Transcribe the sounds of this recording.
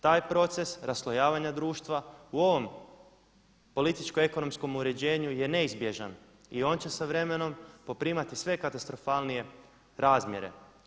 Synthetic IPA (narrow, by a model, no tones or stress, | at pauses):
t̪aːjpɾo̞t̪se̞sɾaslˠojaːʋaɲad̪ɾuːʃt̪ʋauo̞ʋo̞m | po̞lit̪it͡ʃkoe̞ko̞no̞msko̞muɾe̞d͡ʑe̞ːɲuje̞ne̞izbje̞ʒan | io̞ːnt͡ɕe̞saʋɾe̞me̞no̞mpo̞pɾiːmat̪isʋe̞kat̪ast̪ɾo̞faːlˠnije̞ | ɾaːzmʲjeɾe̞̰